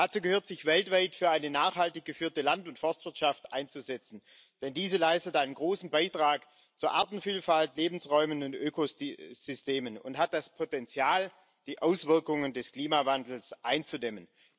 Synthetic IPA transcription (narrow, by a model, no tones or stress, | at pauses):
d̥at͡suːɡəhøːɐtz̥ɪçv̥ɛltv̥aɪtfyːɐaɪnənaːχhaltɪçɡ̥əfyːɐtəlantʊntfɔɐstv̥ɪɐtʃaftʔa̰ɪnt͡suzɛt͡sn̩ | d̥ɛndiːzəlaɪstətʔaɪnənɡʁoːsn̩baɪtʁ̥aːk | t͡suːɐʔaɐtn̩fiːlfaltleːbn̩sʁɔʏmənʊntʔøːkoz̥ʏsteːmənʊ̰ntɦat̚d̥aspʰotɛnt͡sjaːl | d̥iːʔaʊsv̥ɪɐkʊŋəndɛskl̥iːmavandl̩sʔaɪnt͡sudɛmən